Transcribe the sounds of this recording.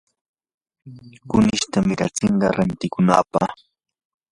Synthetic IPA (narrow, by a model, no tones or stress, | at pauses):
kʊnɪʃt̪amɪɾa̰t͡sɪɴɢɑɾant̪ɪkʊna̰ːpɑ̰χ